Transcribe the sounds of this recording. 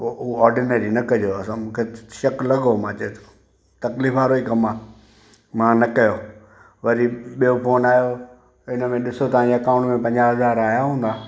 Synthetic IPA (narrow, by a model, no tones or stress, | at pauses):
ooɔːɾɖɪneːɾinɐkɐd͡ʑoɐsãmũːkʰeʃɐklɐɡomãːt͡ɕɐet̪ | t̪ɐkliːfaːɾoikɐmaː | mãːnɐkɐjoː | ʋɐɾiɓijopoːnaːjo | ɪnə̆mẽɗɪsot̪ɐʋ̤ãɲd͡ʑeɐkãʊ̃ɳʈmẽpɐ̃ɲd͡ʑaɦɐzaːɾaːɦjaɦũːn̆d̪aː